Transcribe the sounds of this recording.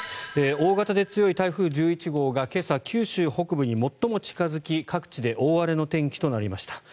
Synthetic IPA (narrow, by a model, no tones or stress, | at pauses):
eo̞ːɡat̪ad̪e̞t͡sɨjo̞it̪aiɸɯ̟ːʑɨːit͡ɕiɡo̞ːɡake̞sakʲʰɨːɕɨːho̞kɯ̟bɯ̟ɲ̟imo̞t̪ːo̞mo̞t͡ɕi̥kazɨkʲikʰakɯ̟̥t͡ɕid̪e̞ʔo̞ːβaɾe̞no̞t̪ẽ̞ŋkʲi̥t̪o̞naɾʲimaɕi̥t̪ʰḁ